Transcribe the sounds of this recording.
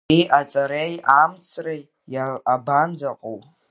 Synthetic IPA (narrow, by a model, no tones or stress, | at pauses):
iʔat͡sʼaɾejamt͡sʰraj | aaband͡zaqʼow